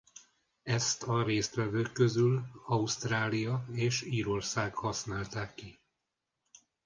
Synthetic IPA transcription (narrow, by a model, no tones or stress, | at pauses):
ɛst̪ʰɒɾeːst̪ʋɛvøːkːøzylɒust̪raːlijɒeːʃiːɾo̞rsaːɡhɒsnaːlt̪aːkːi